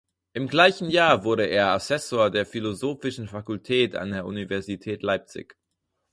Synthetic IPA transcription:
ʔɪmɡlaɪçn̩jaːɐvʊɐɾəʔeːɐasɛsoːɐdeːɐfilozoːfɪʃn̩fakʊltʰɛːta̰ndeːɐʔunivɛɐzitʰɛːtlaɪp̚t͡sɪ̰ç

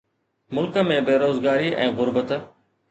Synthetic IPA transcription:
mʊlkə̆mẽbeːɾoːzɡaːɾiʔɛ̰̃ːɣʊɾbət̪

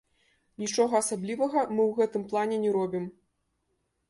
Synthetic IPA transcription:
nʲit͡ʂɔɣɐːsablʲivɐɣɐmɨwɣɛt̪ɨmplˠanʲɛnʲɛɾɔbʲim

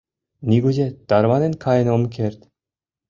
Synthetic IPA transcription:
nʲiɡuzʲet̪ɑɾβɑnʲĕnkʰɑjə̆nomkʰʲerʲt̪ʲ

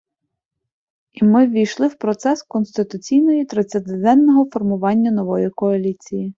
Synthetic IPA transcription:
imɪʋʲijʃlˠɪwpɾɔt̪sɛskɔnst̪ɪt̪ʊt͡sʲijnɔjit̪ɾɪt̪sʲɐt̪ɪd̪ɛnt̪ːɔɦɔfɔrmʊʋɑnʲːɐnɔʋɔjikɔɐlʲit͡sʲiji

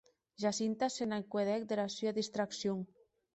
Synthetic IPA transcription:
ʒasint̪asenaŋkweðɛk̚d̪elasyaðist̪ɾaksjoŋ

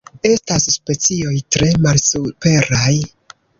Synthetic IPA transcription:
e̞stasspe̞t͡sio̞jtɾe̞malsupe̞ɾaj

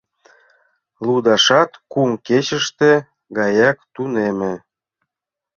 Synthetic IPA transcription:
lud̪ɑʃɑt̪kumket͡ɕə̆ʃt̪ĕ | ɡɑjɑkt̪unemĕ

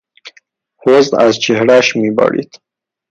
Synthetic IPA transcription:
hozd̪a̰zt͡ʃehɽaʃmibɑ̰ɽḭt̪

